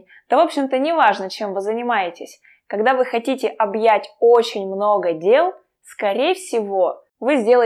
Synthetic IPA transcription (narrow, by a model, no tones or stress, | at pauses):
t̪əvo̞pɕːɪmt̪ənʲɪvaʐnət͡ɕe̞mvɨzənʲɪmajɪtʲɪsʲ | kɐɡd̪avɨxɐtʲitʲɪʔɐbjætʲot͡ɕɪnʲmno̞ɡədʲe̞lˠ | skɐɾʲejfsʲɪvo̞ | vɨzʲdʲe̞lˠə